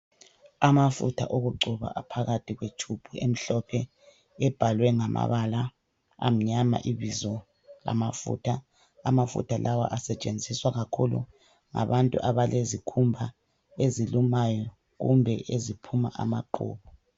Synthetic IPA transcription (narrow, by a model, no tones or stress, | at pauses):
amafṵtʰa̰ʔoɣuǃʱuβa̰ʔapʰaɣatʰiɣwet͡ʃʰub̥ʱuem̩ɬɔpʰɛ | ɛb̥ʱalwɛŋamʔa̰βala | a̰m̩ɲama̰ʔiβizɔ | la̰mafṵtʰa | amafṵtʰalʔawa̰ʔasɛt͡ʃʼend͡zʱiswaɣakʰulṵ | ŋa̰βantʼṵʔaβalezikʰumbʱa | ezilumajɔ | ɣṵmbʱɛʔezipʰuma̰ʔa̰maǃṵːβɔ